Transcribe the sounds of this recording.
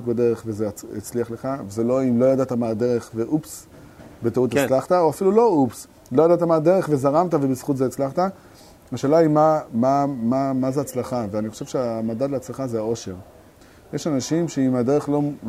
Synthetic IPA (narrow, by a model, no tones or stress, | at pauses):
kbad̪e̞ʁeχvezeḭt͡sliaχle̞χaveze̞lo̞imlo̞jad̪at̪amaːd̪e̞ʁe̞χve̞ʔups | bet̪aut̪elaχt̪ao̞afilulo̞ups | lo̞jad̪at̪amaːd̪e̞ʁeχve̞zaʁamt̪avebisχut̪zeːt͡slaχt̪a | haʃeːlaimamamamazeat͡slaχaveaniχo̞ʃevʃeamad̪ad̪leat͡slaχazeao̞ʃe̞ʁ | jeʃanaʃimʃe̞imad̪e̞ʁeχlo̞